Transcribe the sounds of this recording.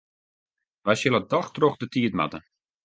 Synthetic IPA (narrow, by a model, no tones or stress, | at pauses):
ʋajsjɪlˠədɔxtroxdətiətma̰tə